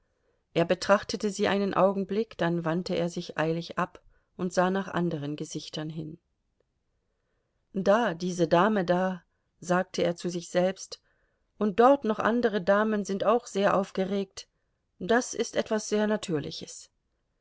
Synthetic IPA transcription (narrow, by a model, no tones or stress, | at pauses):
ʔeːɐbətʁ̥aχtətəziːʔaɪnənʔa̰ʊɡŋ̩blɪkd̥anvantəeːɐzɪçʔa̰ɪlɪçʔap | ʔʊntz̥aːnaːχʔa̰ndəʁ̞ənɡəzɪçtʰɐnɦɪn | d̥aːdiːzədaːmədaː | zaːk̚tʰəeːɐt͡suzɪçz̥ɛlpst | ʔʊnt̚d̥ɔʁtnɔχʔa̰ndəʁ̞ədaːmənzɪntaʊxz̥eːɐʔaʊfɡ̥əʁeːk̚t | d̥asʔɪstʔɛtv̥asz̥eːɐnatʰyːɐlɪ̰çəs